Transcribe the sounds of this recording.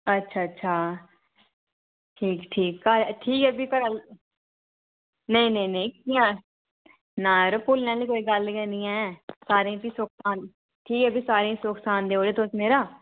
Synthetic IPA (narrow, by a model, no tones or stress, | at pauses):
ətːʃʰaːətːʃʰaː | ʈʰiːkʈʰiːkkəɾɛʈʰiːkɛːbʱiːkəɾəl | nəĩːnẽĩneĩkiãː | naːɾoːpuːlnãːliːkoːiːɡəlkɛːniːãsaːɾẽt̪iːsʊːksaːn | ʈʰiːkɛːbiːsaːɾẽsʊːksaːnd̪eːoːɾeːt̪osmeːɾaː